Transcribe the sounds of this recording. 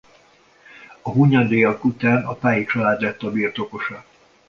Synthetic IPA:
ɒɦuɲɒd̪eːjɒkut̪aːnɒpaːjit͡ʃɒlaːd̪lɛt̪ːɒbiːrt̪o̞ko̞ʃɒ

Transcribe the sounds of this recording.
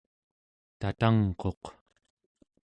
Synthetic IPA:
t̪at̪aŋqo̞q

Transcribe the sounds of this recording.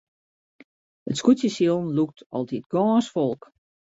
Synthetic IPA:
ətskutjəsjilˠnluk̚tʰɔlˠdit̚ɡɔːnsfɔlˠk

